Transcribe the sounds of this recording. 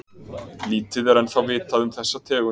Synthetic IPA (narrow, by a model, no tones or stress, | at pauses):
liːt̪ɪðɛɾɛnθawvɪːt̪aðʏmθɛsːat̪ʰɛːɣʏ